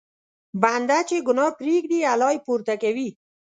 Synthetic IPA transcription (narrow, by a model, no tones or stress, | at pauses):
band̪at͡ʃeɡʊnɑpɾiɡd̪ialɑjpuɾt̪akawi